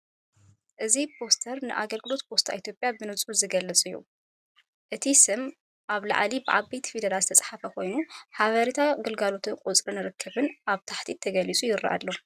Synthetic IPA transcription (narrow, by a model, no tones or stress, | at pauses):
ʔɨzipʰo̞st̪ʰɐɾnɨʔaɡɐlɡɨlo̞t̪pʰo̞st̪ʰaʔit̪ʰjo̞pʼjabɨnɨt͡sʼuzɨɡɐlːɐt͡sʼɨjːṵ | ʔɨt̪ʰisɨm | ʔaβla̰ʕlibɨʕaβbejt̪ʰi̥fed̪ɐɾalzɨt̪ʰɐt͡sʼħafɐkʰo̞jnuħaβɐɾit̪ʰaɡɨlɡalo̞t̪ʰɨnkʼut͡sʼɾɨnɨɾɨkʰːɐβɨnʔaβt̪ʰaħt̪ʰit̪ʰːɐɡɐlit͡sʼujɪrɐ̰ʔa̰lːo